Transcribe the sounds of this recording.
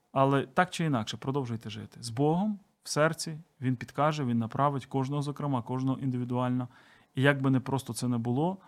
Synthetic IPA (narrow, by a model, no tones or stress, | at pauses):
ɐlˠɛt̪ɑkt͡ʃɪinɑkʃɛpɾɔd̪ɔwʒʊjt̪ɛʒɪ̰t̪ɪ̥zbɔɦɔm | w̥sɛrt͡sʲiʋʲinpʲid̪kɑʒɛʋʲinːɐpɾʔɑʋɪtʲkɔʒnɔɦɔzɔkɾɪmɑkɔʒnɔɦɔʔind̪ɪʋʲid̪ʊɑlʲnɐ | ijɐɡ̚bɪnɛpɾɔst̪ɔt̪sɛnɛbʊlˠɔ